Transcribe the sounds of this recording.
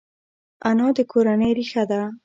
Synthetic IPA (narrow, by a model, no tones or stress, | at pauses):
anɔd̪əkʰoɾanəjɾixad̪a